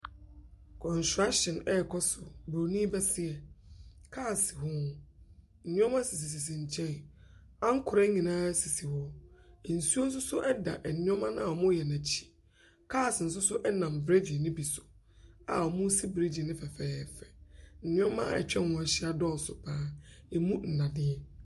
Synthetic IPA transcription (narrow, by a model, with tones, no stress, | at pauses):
kʰɔ̃˨n˨sɾa˦ɕɪ̃˨nɛ˦˨kʰɔ˦sʊ˨bo˨nĩ˦bɛ˦sɪ˦ɛ˨kʰaː˦˨sɪ˨ɦʊ̃˦ʊ̃˦ | n̩˨nɪ̃˦ɔ̃˦mã˦si˨s̬i˨s̬i˨s̬ĩ˨ɲ̩˨t͡ɕʰɛ̃˦n | ã˦ŋ̩˦kʰʊ˨ɾa˦ɲĩ˨nãː˦si˨si˨hɔ˦˨n̩˨su˦o˦n̩˦s̬ʊ˦sʊ˦ʔɛ˦da̰˨ʔɛ˨nɪ̃˦ɔ˦mã˦nã˦a˨ɔ˨mʊ̃˦jɛ˨nã˨t͡ɕʰi̥˦˨ | kʰaː˦˨sɪ˨n̩˨s̬ʊ˦sʊ˦ʔɛ˦nã˨m˨vɾɛ˦ve˨nɪ̃˦bi˨sʊ̥˨ | a˨ɔ˨mʊ̃˦si˦bɾi˦d͡ʑĩ˨nɪ̃˦fɛ˨fɛː˦˨fɛ̥˨n̩˨nɪ̃˦ɔ̃˦mã̰˦˨ɛ̰˨t͡ɕᶣɛ̃˦ʊ̃˨˦ɛ˨ɕi˦a˨dɔ̃˦˨n˨sʊ˨pʰãː˦ɛ˨mũ˦n̩˨nã˨dɪ̃˦ɛ˦